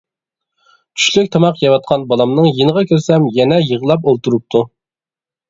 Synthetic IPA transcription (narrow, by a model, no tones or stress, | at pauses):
t͡ʃʰy̥ʃlykʲt̪ʰɑmɑqjɑwɑt̪̚qʰɑnbɑlˠɑmnɨŋjenəʁɑkʲʰøɾsɛmjɛnɛjəʁəlˠɑp̬olˠt̪uɾup̚t̪ʰu